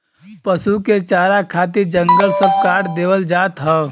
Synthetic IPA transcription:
pəsuket͡ʃaːɾakʰaːt̪̬id͡ʒə̃ŋɡəlsəb̚kaːʈd̪eːʋəld͡ʒaːt̪ɦɛː

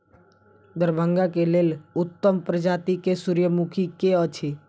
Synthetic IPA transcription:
d̪əɾbʱəŋɡakeleːlʊt̪ːəmpɾəd͡ʒat̪ikesuɾjəmukʰikeət͡ʃʰi

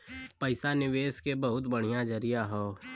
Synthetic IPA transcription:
pəɪsanɪʋeːskebɐɦʊt̪bəɽ̤̃ijad͡ʒəɾijaɦoː

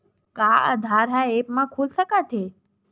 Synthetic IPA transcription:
kaə̰d̪ʱaɾɦaepmãkʰulsəkat̪ʰe

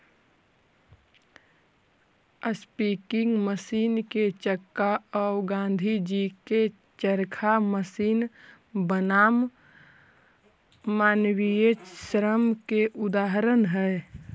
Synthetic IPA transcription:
əspiːkɪ̃ŋɡməsiːnket͡ʃəkːaɔːɡãːn̆d̪ʱid͡ʒike | t͡ʃəɾkʰaməsiːn | bənaːm | aːnwijesɾəmkeʔʊd̪aːɦɾənɦɛː

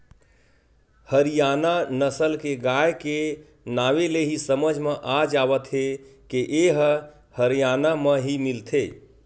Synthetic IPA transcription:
həɾijananəsəlkeɡajke | naʋeleɦisəməd͡ʒʱmeʔad͡ʒabət̪ɦekeʔeɦ | həɾijanameɦimilt̪ʰe

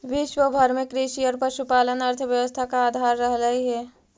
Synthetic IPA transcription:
ʋɪʃwəbʱəɾmẽkɾiʃiɔɾpəɾʃupaːlənəɾt̪ʰəʋjəʋəst̪ʰakaːd̪ʱaɾːəɦləiɦɛː

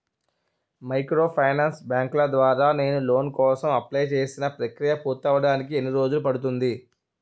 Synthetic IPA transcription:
mɐjkɾo̞ːpʰɐjnaːnsbjaːŋklɐd̪ʋaːɾaːne̞ːnulo̞ːnkɔːsɐmɐplɐjt͡ʃe̞ːsinɐpɾɐkɾijɐpuːt̪ɐʋɐɽaːnik̬ienːiɾo̞ːd͡ʒulupɐɽut̪und̪i

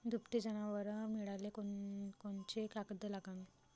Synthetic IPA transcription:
d̪ʱupt̪id͡ʑənaʋəɾmiɭalekokont͡ɕekakəd̪əlaɡãŋɡe

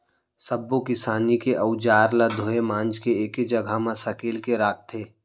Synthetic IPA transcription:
səbːokɪsaːnikeʔɐʊd͡ʒaːɾlad̪ʱoːemãːnd͡ʒkeeːked͡ʒɐɡʱamãsɐkiːlkeɾaːk̚ʰt̪ʰeː

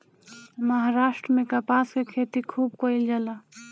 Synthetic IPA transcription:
məɦaɾaʃʈɾəmekapaskekʰet̪ikʰuːb̚koild͡ʒala

